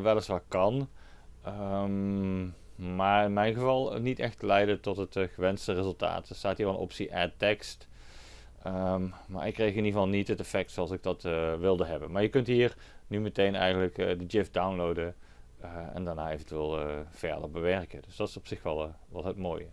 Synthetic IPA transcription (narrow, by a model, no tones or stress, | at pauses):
ʋɛlˠəsʋakɑn | əm | maːɹɪnmɛjnɣəvɑlˠnitɛxtəlɛjdətɔtɦətχəʋɛnstərezɵlˠta̰ːtəstaːtɦiːɹʋɑlənɔ̰psiʔɛtɛkst | əma̰ːɹʔɪkːrejxɪnivɑlˠnitətɛfɛk̚tsoɑlˠsɪɡ̚d̥ɑtʋɪlˠdəɦɛbənmaːɹjəkɵntɦiːr | nymətejnɛ̰jɣəndələkːdəd͡ʒɪfdawnlowdə | ɛ̰ndaːɹna̰ːejvəntyʋeːlˠəv̥ɛ̰ɹdə̰ɹbəʋɛɹkədɵsdɑtɪ̥sɔpsɪxʋɛlˠʋɑlˠɦətmo̰ːjə